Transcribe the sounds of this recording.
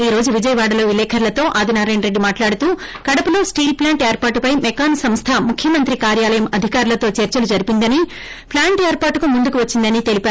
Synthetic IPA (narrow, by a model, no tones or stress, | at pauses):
iːɾo̞ːd͡ʒuʋid͡ʒɐjɐʋaːɽɐlo̞ːʋilɛːkʰɐɾlɐt̪o̞ːʔaːd̪ʱinaːɾɐjnɾe̞ɖːimaːʈlaːɽut̪uː | kɐɽɐpulo̞ːsʈiːlplaːɳʈeːɾpaːʈupɐjmɛkaːnsɐmst̪ʰɐmukʰjɐmɐnt̪ɾikaːɾjaːlɐjɐmɐd̪ʱikaːɾulɐt̪o̞ːt͡ʃɐɾt͡ʃɐlud͡ʒɐɾipind̪ɐni | plaːɳʈeːɾpaːʈukumund̪ukuʋɐt͡ʃːind̪ɐnit̪e̞lipaːɾu